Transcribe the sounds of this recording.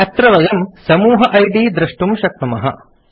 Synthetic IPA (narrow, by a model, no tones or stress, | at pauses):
ɐt̪ɾɐʋɐjɐmsɐmuːɦɐʔɐjɖiːd̪ɾɐʂʈumʃɐk̚nɐmɐɦɐ̰